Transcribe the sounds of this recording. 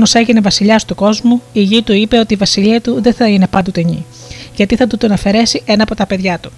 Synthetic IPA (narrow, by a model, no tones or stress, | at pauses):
nose̞ʝinevɐsiʎɐst̪uko̞zmuiʝit̪uipe̞o̞t̪iːvɐsiʎiɐt̪uðe̞θɐine̞pɐnd̪ut̪eɲḭ | ʝɐt̪iθɐt̪ut̪onɐfe̞ɾe̞siʔe̞nɐːpo̞t̪ɐpe̞ðʝɐt̪u̥